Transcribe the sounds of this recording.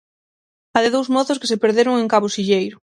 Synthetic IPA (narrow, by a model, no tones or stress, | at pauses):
aðɪðowzmɔθʊskesepeɾðeɾʊŋeŋkaβʊsiʎejɾʊ